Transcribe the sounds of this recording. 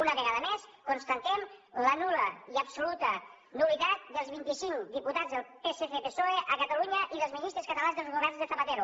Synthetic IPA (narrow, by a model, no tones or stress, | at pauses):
unəβəɣaðəmeskonst̪ənt̪ɛmlənuləiəpsulut̪ə | nuβit̪at̪̚d̪əlˠzβint̪isiŋd̪iput̪ad͡zðəlˠpeseθepesoeʔəkət̪əluɲəʔiðəlˠzminist̪ɾəskət̪əlanzðəlˠzβuɣazðət̪əβət̪eɾu